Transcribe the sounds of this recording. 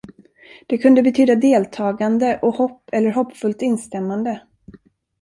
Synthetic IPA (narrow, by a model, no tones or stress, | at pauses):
d̪̥ɛkʰɵnd̪əbɛt̪ʰyːd̪ad̪eːlt̪ʰɑːɡand̪əʔɔhɔpːɛlːəɾɦɔpːfɵlt̪ɪnst̪ɛmːand̪ə